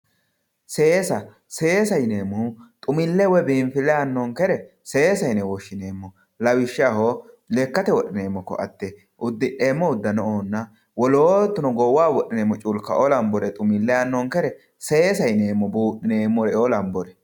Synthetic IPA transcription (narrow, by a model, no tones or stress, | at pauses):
se̞ːsɐ | se̞ːsɐjne̞ːmːɔt̪ʼʊmɪlːɛwɛbiːɱfɪlɛanːɔŋkɛɾɛ | seːsɐjnɛwɔʃːɪneːmːɔ | lɐwɪʃːɪaho | lekːɐt̪ɛwɔɗɪneːmːɔkːɔ̰ʔɐ̰t̪ːɛ | ʔʊd̪ːɪᶑe̞ːmːɔʊd̪ːɐnɔʔoːnːɐ | wɔloːt̪ːʊnɔɡɔwaːwɔɗɪneːmːɔt͡ʃʼʊlkːɐolɐmbɔɾɛt̪ʼʊmɪlːɛaːnːɔŋkɛɾɛ | seːsɐjneːmːɔbuːɗɪneːmːɔɾɛolɐmbɔɾɛ